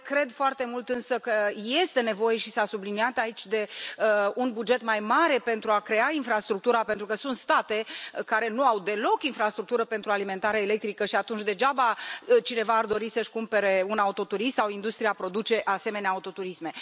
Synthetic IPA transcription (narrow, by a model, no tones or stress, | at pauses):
kɾe̞d̪foart̪e̞mult̪ɨnsəkəje̞st̪e̞ne̞vo̞je̞ʃisasubliniat̪ait͡ʃʲd̪e̞ | unbud͡ʒe̞t̪majmaɾe̞pe̞nt̪ɾuakɾe̞ainfɾast̪ɾuk̚t̪uɾape̞nt̪ɾukəsunt̪st̪at̪e̞kaɾe̞nuawd̪e̞lo̞kinfɾast̪ɾuk̚t̪uɾəpe̞nt̪ɾualime̞nt̪aɾeaele̞k̚t̪ɾikəʃiat̪unt͡ʃʲd̪e̞d͡ʒabat͡ʃine̞vaːrd̪o̞ɾisəʃkumpe̞ɾe̞unaut̪o̞t̪uɾist̪sawind̪ust̪ɾijapɾo̞d̪ut͡ʃe̞ʔase̞me̞neaut̪o̞t̪uɾisme̞